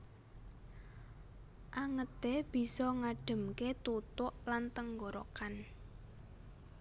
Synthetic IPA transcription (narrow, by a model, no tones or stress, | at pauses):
ʔaŋət̪eb̥i̤sɔŋaɖ̥ə̤mket̪ut̪ʊʔlant̪əŋɡɔɾɔ̰kan